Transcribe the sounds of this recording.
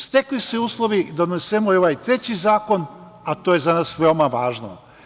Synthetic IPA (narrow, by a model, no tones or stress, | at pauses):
st̪e̞klisɛuːslˠoʋid̪onesemoioʋajt̪ɾe̞t͡ɕizaːko̞n | at̪oje̞zanaːsʋe̞omaʋaːʒno̰